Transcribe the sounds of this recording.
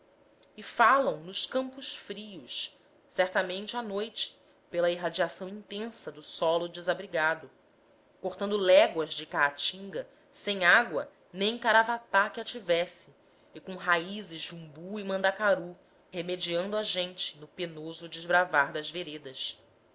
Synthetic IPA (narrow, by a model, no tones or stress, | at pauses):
ɪfalɐ̃w̃nʊʃkɐ̃mpʊʃfɾiʊs | sɛɾt̪ɐmẽnt͡ʃɪanojt͡ʃɪ̥ | pelɐiɦad͡ʒiasɐ̃w̃ĩnt̪ẽsɐd̪ʊsɔlʊd͡ʒɪzabɾiɡad̪ʊ | koχt̪ɐ̃nd̪ʊlɛɡwɐzd͡ʒɪkat͡ʃĩŋɡɐ | sẽj̃aɡwɐ | nẽj̃kaɾavat̪akɪat͡ʃivɛsɪ | ɪkõɦaizɪzd͡ʒɪũbuimɐ̃nd̪akaɾu | hemed͡ʒiɐ̃nd̪ʊaʒẽnt͡ʃɪ̥nʊpenozʊd͡ʒɪzbɾavaɾd̪ɐzveɾed̪ɐs